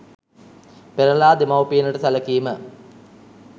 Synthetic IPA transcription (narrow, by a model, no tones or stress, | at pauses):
peɾɐlaːd̪emɐwpijːnəʈəsɐlɐkijmə